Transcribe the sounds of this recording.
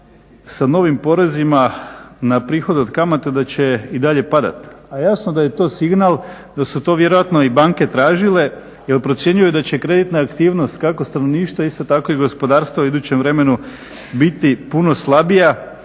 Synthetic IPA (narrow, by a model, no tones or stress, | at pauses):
sano̞ʋimpo̞ɾe̞zimanapɾiːxo̞d̪eod̪kamat̪ed̪at͡ɕe̞id̪aʎe̞pad̪a̰t̪ajaːsnod̪aje̞t̪o̞ːsiɡnalˠ | d̪asut̪o̞ʋje̞ɾo̞ʋat̪no̞ibaŋke̞t̪ɾaːʒile̞ | jelpɾo̞t̪sje̞ɲujud̪at͡ɕe̞kɾe̞d̪it̪naːkt̪iːʋno̞st̪kako̞st̪anoʋniːʃt̪ʋoist̪o̞t̪ako̞iɡo̞spo̞d̪aːɾst̪ʋouid̪uːt͡ɕemʋɾe̞me̞nu | bit̪ipuno̞slˠabija